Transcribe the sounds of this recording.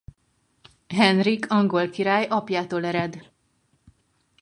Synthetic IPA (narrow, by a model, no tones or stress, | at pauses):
ɦɛnrikʰɒŋɡo̞lkiɾaːjɒpjaːt̪oːlɛɾɛd̪